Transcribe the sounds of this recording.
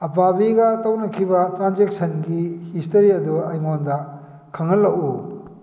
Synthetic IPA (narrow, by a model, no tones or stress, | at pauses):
ɐpabiɡɐtɐwnɐkʰibɐtɾanzek̚sɐnɡihistɐɾiɐduɐjŋondɐ | kʰɐŋɐlːɐʔu